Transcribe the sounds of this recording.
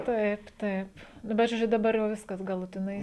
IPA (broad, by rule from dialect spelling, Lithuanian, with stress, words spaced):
ˈtɐɪp ˈtɐɪp ˈnʊ bʲɛt ʒoːˈd͡ʒʲʊ dɐˈbɐr jɛʊ ˈʋʲɪskɐs ɡɐlˠʊtʲɪˈnɐɪ